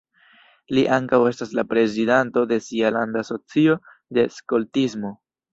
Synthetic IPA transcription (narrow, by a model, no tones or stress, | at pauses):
liʔaŋkawe̞staslapɾe̞zidanto̞d̪e̞sialand̪aso̞t͡sio̞ | d̪e̞skoltizmo̞